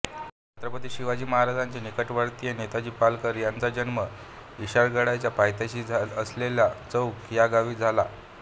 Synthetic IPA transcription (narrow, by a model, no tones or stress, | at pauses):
t͡ɕat̪ɾəpət̪iːɕiʋad͡ʑiːməɦaɾad͡zaɲt͡ɕenikəʈʋəɽt̪ijenet̪ad͡ʑiːpalkəɾjant͡sad͡ʑənmə | iɕaɾɡəɽat͡ɕjapajt̪jaɕiːd͡zʱaəsleljat͡səwkjaɡaʋiːd͡zʱala